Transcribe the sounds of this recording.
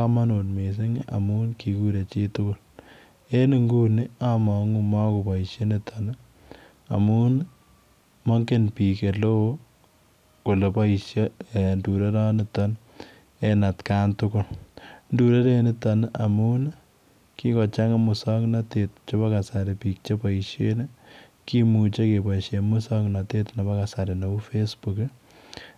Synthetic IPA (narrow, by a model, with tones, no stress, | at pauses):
a˦ma˦no˨nme˨s̬e˦ŋʔa̰˨mu˦nki˨ku˦ɾe˨t͡ʃe˦tʊ˦kʊ˦l | e˦nɪ˨ŋɡu˦nɪ˦a˦mɔ˨ŋu˦mɔ˦ku˨pɔ˨i˨ʃje˦ne˦tʰɔn | a̰˨mu˦n | mɔ˦ŋke˦npi˨ke˨lo˦ | ko˨le˨pɔ˦i˨ʃje˦e˨ndu˨ɾe˦ɾɔ˦nɪtɔ˦n | ɛna˨tkaːntʊkʊ˦lndu˨ɾe˦ɾenɪtana˨mu˦n | ki˦kɔ˨t͡ʃaŋamu˨sɔknatet̚t͡ʃo˦pa˦ka˨saɾepik̚t͡ʃe˦pa˨iʃjen | ki˦mu˨t͡ʃe˦ke˨paiʃjemu˦sɔ˦kna˨te˦tna˨pa˦kasaɾe˨no˨u˦fesbuk